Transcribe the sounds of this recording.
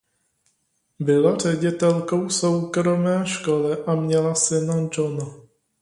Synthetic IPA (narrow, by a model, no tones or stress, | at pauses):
bɪlar̝ɛɟɪt̪ɛlko̞wsowkɾo̞mɛːʃko̞lɛʔamɲɛlasɪnad͡ʒona